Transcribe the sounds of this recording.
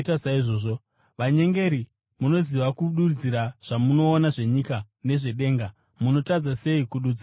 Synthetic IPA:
tasaiʐoːʐo | ʋaɲe̞ŋɡe̞ɾi | muno̞ziʋakuɗud͡ziɾaʐ̥amuno̞ːnaʐe̞ɲika | ne̞ʐe̞ɗe̞ːŋɡa | muno̞tad͡zase̞ikuɗuːd͡za

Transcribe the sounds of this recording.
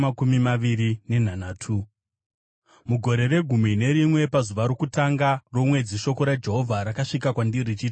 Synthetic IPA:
akumimaʋiɾine̞n̤anaːtʰu | muɡʱo̞ɾe̞reɡʱumine̞ɾimwe̞pazuʋaɾokutaŋɡaro̞mwe̞d͡ziʃo̞ko̞ɾad͡ʒe̞ɦo̞vʱaɾakaʂikakwandirit͡ʃiːti

